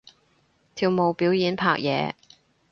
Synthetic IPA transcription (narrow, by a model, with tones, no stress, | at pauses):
t̪ʰiː˨˩wmo˨˩wpiː˨˥wjiː˨˥npʰa̰ː˧˨k̚jɛ̰ː˨˧